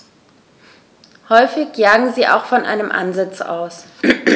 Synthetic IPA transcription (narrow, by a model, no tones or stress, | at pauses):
hɔʏfɪçjaːɡŋ̩ziːʔa̰ʊxfɔnʔa̰ɪnəmʔa̰nzɪt͡sa̰ʊs